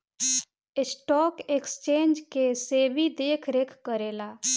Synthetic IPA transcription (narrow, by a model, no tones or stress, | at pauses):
ɪsʈɔːkekst͡ʃẽːnd͡ʒkeseːbʱid̪eːkʰɾekʰkəɾeːlaː